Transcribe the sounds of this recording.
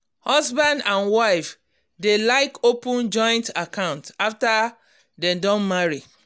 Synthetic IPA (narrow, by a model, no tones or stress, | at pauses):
hɔzbãndãnwaɪf | delaɪkopʊ̃nd͡ʒɔ̃ɪ̃ntakãʊ̃ntafta | dɛ̃mdɔ̃nmaɹi